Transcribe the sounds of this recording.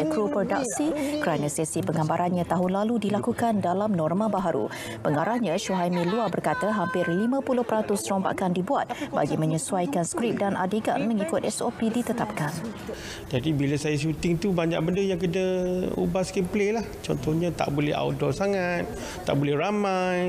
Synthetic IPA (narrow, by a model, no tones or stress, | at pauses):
ɛmpɾupərdak̚sikəɾanə̃sɛsipəŋambaɾʔanɲãt̪aɦʊnlaludilakukandalamnɔrmãbaɦaɾṵ | pəŋaɾahɲə̃ʃuɦajmiluabərkat̪aɦampɪrlimãpulʊhpəɾat̪ʊsɔmba̰ʔkandibuat̪̚ba̰ɡimə̃ɲəsuajkanskɾip̚danʔadeɡa̰nməŋikʊt̪̚ɛsopidit̪ət̪ap̚kan | d͡ʒadibiləsajaʃ̬ut̪ɪŋt̪ubaɲa̰ʔ̚bəndəjaŋkədəṵbaskɛmplelaht͡ʃɔ̰nt̪ɔhɲãt̪a̰ʔbolɛ̰ɦa̰udɔsaŋat̪̚ː | a̰ʔbolɛhramaj